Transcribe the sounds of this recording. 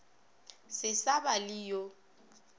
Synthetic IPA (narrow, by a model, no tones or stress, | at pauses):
sɪsabalijo